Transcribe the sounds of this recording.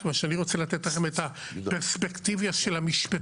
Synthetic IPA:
maʃeaniʁot͡selat̪et̪laχemet̪ha | peʁspekt̪ivjaʃelamiʃpa

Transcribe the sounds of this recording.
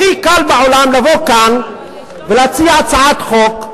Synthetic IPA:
ikalbeʕolamlavo̞kan | veleat͡siat͡saʕat̪χok

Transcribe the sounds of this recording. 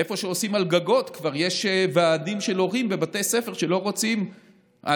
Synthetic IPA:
efo̞ʃeo̞simalɡaɡo̞t̪kvaʁjeʃvaːdimʃelo̞ʁimbebatejse̞fe̞ʁʃelo̞ʁo̞t͡sim | a̰

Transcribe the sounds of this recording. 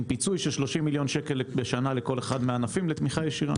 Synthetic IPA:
pit͡sujʃelʃlo̞ʃimːiljo̞nʃeke̞lbeʃanaleko̞le̞χadmeanafimlet̪miχajeʃiʁa̰

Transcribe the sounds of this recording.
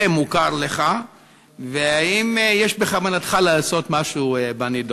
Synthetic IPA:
emukaɾleχa | veaimjeʃbeχavanat̪χalaːso̞t̪maʃubanido

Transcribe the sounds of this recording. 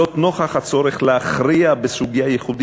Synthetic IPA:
ot̪no̞χaχat͡so̞ɾeχleaχɾiabesuɡijajeχudi

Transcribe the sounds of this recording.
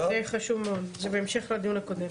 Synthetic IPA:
eχaʃuvmeod̪zebeemʃe̞χlad̪ijunako̞d̪em

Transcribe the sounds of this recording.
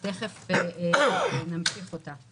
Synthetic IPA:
teχef | namʃiχota

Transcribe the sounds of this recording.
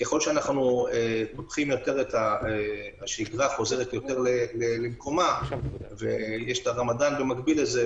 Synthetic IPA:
kjeχolʃeanaχnuepopχimjo̞te̞ʁethaeaʃiɡʁaχo̞ze̞ʁetjo̞te̞ʁlelelemko̞mavḛjeʃtaʁamadanbemaɡbileze

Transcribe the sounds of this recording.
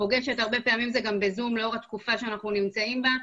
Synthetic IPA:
po̞ɡeʃe̞taʁbe̞peamimzeɡambezumleo̞ʁat̪kufaʃeanaχnunimt͡saimba

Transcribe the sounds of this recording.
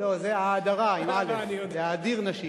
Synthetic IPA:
lozeaːd̪aʁaimalezeaːd̪iʁnaʃi

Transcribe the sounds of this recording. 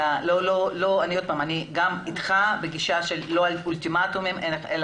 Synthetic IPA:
alololoaniod̪̚paːmaniɡamit̪χabeɡiʃaʃe̞lːo̞alult̪imat̪umimʔeneel

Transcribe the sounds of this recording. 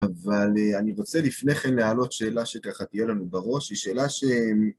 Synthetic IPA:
avaleaniʁo̞t͡se̞lifne̞χe̞nlealo̞t̪ʃe̞ːlaʃekaχat̪ijelanubaʁo̞ʃhiʃe̞ːlaʃe̞m

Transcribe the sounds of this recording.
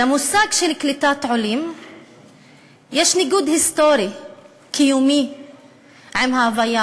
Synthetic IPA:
lamusaːɡʃelklit̪aːt̪ʕolim | jeːʃnɪɡuːd̪hist̪oɾi | kijumi | ʕamhavaja

